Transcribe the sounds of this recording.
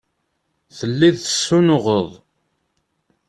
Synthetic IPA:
θəlːiðθə̥sːunʊʁəðˤ

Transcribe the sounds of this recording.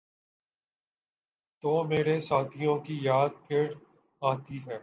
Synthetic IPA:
t̪oːmeːɾesaːt̪ʰijõkijaːd̪̚pʰeːɽ | aːt̪iɦɛː

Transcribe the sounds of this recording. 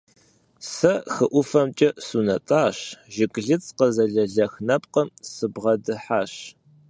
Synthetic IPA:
sɐxɨʔʷʊfɐmt͡ʃʼɐsuːnɐtʼaːɕʒɪkʼɮɨt͡sʼqəzɐɮɐɮɐxnɐp̚ʼqəmsɨbʁɐdɨħaːɕ

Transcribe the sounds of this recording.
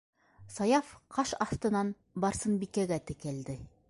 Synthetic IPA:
sɑjɑfqɑʃɑft̪ɤ̆nɑn | bɑɾsɤnbikæɡæt̪ɘ̆kæld̪ɘ

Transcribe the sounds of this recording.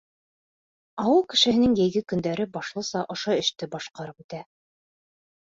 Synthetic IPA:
ɑwɤlˠkɘ̆ʃɘ̆hɘ̆nɘŋjɘ̆jɡɘkɵ̆nd̪æɾɘbɑʃlˠɤ̆sɑʔŏʃoɘ̆ʃt̪ɘbɑʃqɑɾɤput̪æ

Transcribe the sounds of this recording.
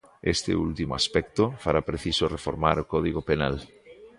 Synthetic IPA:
est̪ḛult̪imoaspɛk̚t̪ofaɾapɾeθisorefoɾmaɾokɔðiɣopena̰l

